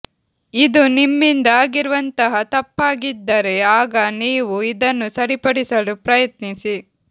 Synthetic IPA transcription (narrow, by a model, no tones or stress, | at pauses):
id̪unimːind̪ɐaːɡiɾuʋɐnt̪ɐɦɐt̪ɐpːaːɡid̪ːɐɾe̞aːɡɐniːʋuid̪ɐnːusɐɾipɐɽisɐlupɾɐjɐt̪nisi